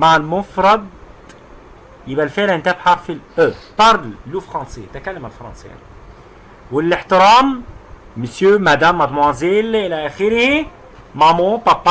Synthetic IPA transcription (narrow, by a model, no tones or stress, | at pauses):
maʕalmʊfɾˤɑd̪ | jɪbælfeʕlɪnt̪æbħafilʔøpɑɾˤllufɾɑ̃ːset̪ækælːæmælfɾˤɑ̰̃ːnsḛja̰ni | wɪllɪħt̪ɪɾaːmː | əsjømæd̪æmːæd̪mwæzilʔɪlæʔæxɪɾhi | mamõpapːa